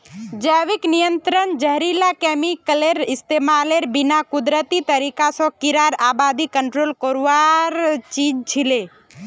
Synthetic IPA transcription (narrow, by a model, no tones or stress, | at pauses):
d͡ʒəʋiknijənt̪ɾənd͡ʒəɦɾilakɛmikəleɾɪst̪emaleɾbinakud̪ɾət̪it̪əɾikasɔ̃kiɾaɾaːbad̪ikəɳʈɾoːlkoɾʋaɾt͡ʃid͡ʒt͡ʃʰile